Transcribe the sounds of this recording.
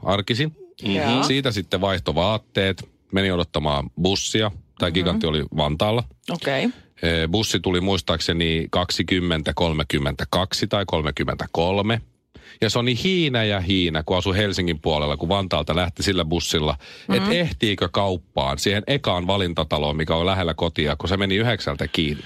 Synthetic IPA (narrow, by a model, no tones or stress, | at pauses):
ʔɑrkisin | siːt̪æsit̪ːeʋɑiht̪oʋɑːt̪ːeːt̪ | menioɾot̪ːɑmɑ̰ːmbusːiɑt̪æːikikɑt̪ːiolḭʋɑnt̪ɑːlːɑokeøbusːit̪ulimuist̪ɑːksenikɑksikymːent̪ækolmekymːent̪ækɑksit̪ɑikolmekymːḛnt̪æ̥kolme | jɑsonihiːnæjɑhiːnækuɑsuhelsiŋːimpuɑlelːɑkuʋɑnt̪ɑːlt̪ɑlæht̪isilːæbusːilːɑet̪eht̪iːkøkɑupːɑ̰ːnsiːhenʔekɑːnʋɑlint̪ɑt̪ɑloːmikæolæɦelːækot̪iɑkusemeniyheksælt̪ækiːnːi